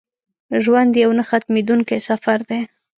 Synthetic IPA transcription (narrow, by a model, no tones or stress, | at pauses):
ʒwand̪jawnaxat̪med̪uŋkesafaɾd̪e